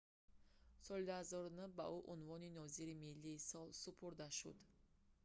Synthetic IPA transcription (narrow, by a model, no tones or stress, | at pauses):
sɔlid̪uhazɔɾunəbaʔuʔunvɔninɔziɾimilːiːsɔlsupʰuɾd̪aʃṵd̪